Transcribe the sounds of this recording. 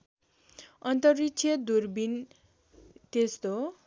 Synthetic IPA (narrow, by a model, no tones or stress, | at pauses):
ʌnt̪ʌrːit͡sʰjʌd̪urbin | t̪est̪o